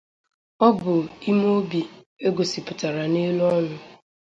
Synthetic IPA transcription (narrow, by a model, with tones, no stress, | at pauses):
ɔ˦bʊ˨i˦m˦o˦bi˨ | e˦ɡo˨si˨pʊ˨ta˨ɾa˨ni˦lu˦ɔ˦nʊ˨